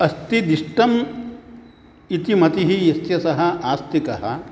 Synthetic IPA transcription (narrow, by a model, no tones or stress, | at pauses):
ɐst̪id̪iʂʈɐm | it̪imɐt̪iɦijɐst̪jɐsɐɦɐaːst̪ikɐɦɐ̰